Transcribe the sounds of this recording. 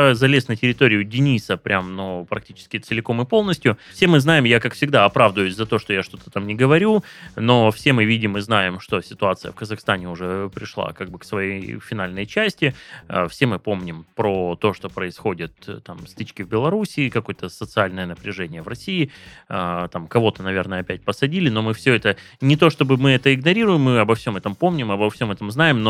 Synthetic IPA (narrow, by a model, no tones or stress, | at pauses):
zɐlʲesnətʲɪɾʲɪt̪o̞ɾʲɪjʊdʲɪnʲisəpɾʲʔamnupɾɐk̚tʲit͡ɕɪ̥skʲɪt̪sɨlʲɪko̞mɨpo̞lˠnəsʲtʲjʊfsʲe̞mɨznajɪmjakakfsʲɪɡd̪aɐpɾavd̪əjʊsʲzɐt̪o̞ʂt̪ojaʂt̪o̞t̪ə̥t̪amnʲɪɡəvɐɾʲuno̞fsʲe̞mɨvʲidʲɪmɨznajɪmʂt̪o̞sʲɪt̪ʊat̪sɨjəfkəzɐxst̪anʲɪʊʐɛpɾʲɪʂlˠa̰kaɡ̚bɨksvɐjejfʲɪnalʲnəjt͡ɕæsʲtʲɪfsʲe̞mɨpo̞mnʲɪmpɾot̪o̞ʂt̪o̞pɾəɪsxo̞dʲɪt̪t̪amst̪ɨt͡ɕkʲɪvbʲɪlˠɐɾusʲɪːkɐko̞jət̪əsət̪sɨalʲnəjənəpɾʲɪʐɛnʲɪjəvɾɐsʲiɪət̪amkɐvo̞t̪ənɐvʲe̞rnəəɐpʲæt̚ʲpəsɐdʲilʲɪno̞mɨfsʲɵɛt̪ə | nʲɪt̪o̞ʂt̪obɨmɨɛt̪əɪɡnɐɾʲiɾʊjɪmːɨɐbɐfsʲo̞mɛt̪əmpo̞mnʲɪmɐbɐfsʲo̞mɛt̪əmznajɪmno